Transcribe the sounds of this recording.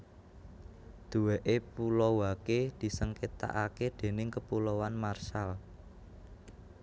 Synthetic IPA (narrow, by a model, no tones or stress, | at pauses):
d̪̥ṳweʔepulɔwaked̪̥i̤səŋket̪a̰ʔaked̪̥e̤nɪŋkəpulowanmarʃal